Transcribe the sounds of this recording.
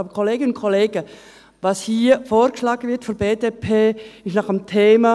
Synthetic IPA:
bəkʰɔleːɡənʊnkʰɔleːɡ̥ə | vɑshiːfoːɾkəʃlɑːɡəvɪtfɔnbeːdepʰeːɪʃnɑχəmtʰeːmɑ

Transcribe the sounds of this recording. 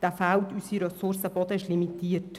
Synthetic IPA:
d̥æfæwt̪ysiɾɛsʊɾsəbɔd̪əɪʃlimit̪iːət

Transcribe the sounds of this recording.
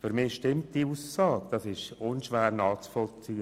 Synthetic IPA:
fyɾmɪʃtɪmt̚d̥iuːsːɑːɡ̥d̥ɑsɪʃʊnʃʋæːɾnɑːt͡sfɔlt͡siːə

